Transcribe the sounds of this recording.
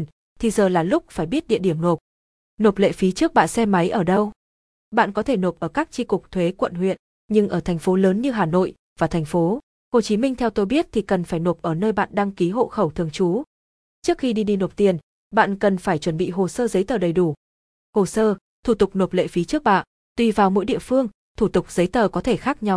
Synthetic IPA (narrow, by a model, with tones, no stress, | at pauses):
t̪ʰi˨˩zəː˨˩laː˨˩lʊ˦˥k͡p̚faː˧˩jɓi˦˥ət̚ɗḭ˧əɗi˧˩əmno˨˩p̚ | no˨˩p̚lḛ˧˨fi˨˦t͡ɕɨ˦˥ək̚ɓa̰ː˧˨sɛ˧ma˨˦jʔəː˧˩ɗə˧w | ɓa̰ː˧˨nkɔ˨˦t̪ʰe˧˩no˨˩p̚ʔəː˧˩kaː˦˥k̚t͡ɕi˧kʊ˨˩k͡p̚t̪ʰwe˨˦kwə̰˧˨nɦwḭ˧˨ən | ɲɨ˧ŋʔəː˧˩t̪ʰɛ˨˩jŋ̟fo˨˦ləː˨˦nɲɨ˧ɦaː˨˩no̰˧˨j | vaː˨˩t̪ʰɛ˨˩ŋ̟fo˨˦ | ho˨˩t͡ɕi˨˦mï˧ŋ̟t̪ʰɛ˧wt̪o˧jɓi˦˥ət̚t̪ʰi˨˩kə˨˩nfaː˧˩jno˨˩p̚ʔəː˧˩nəː˧jɓa̰ː˧˨nɗa˧ŋki˨˦ɦo̰˧˨xə˧˩wt̪ʰɨ˨˩əŋt͡ɕu˨˦ | t͡ɕɨ˦˥k̚xi˧ɗi˧ɗi˧no˨˩p̚t̪i˧˩ən | ɓa̰ː˧˨nkə˨˩nfaː˧˩jt͡ɕwə˧˩nɓḭ˧˨ɦo˨˩səː˧zə˨˦jt̪əː˨˩ɗə˨˩jɗu˧˩ | ho˨˩səː˧ | t̪ʰu˧˩t̪ʊ˨˩k͡p̚no˨˩p̚lḛ˧˨fi˨˦t͡ɕɨ˦˥ək̚ɓa̰ː˧˨ | t̪wi˧vaː˨˩wmo̰˧˥jɗḭ˧˨əfɨ˧əŋ | t̪ʰu˧˩t̪ʊ˨˩k͡p̚zə˨˦jt̪əː˨˩kɔ˨˦t̪ʰe˧˩xaː˦˥k̚ɲa˧w